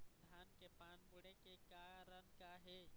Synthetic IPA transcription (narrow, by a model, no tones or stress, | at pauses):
d̪ʱaːnkepaːnbʊɽekekaːɾənkaɦɛː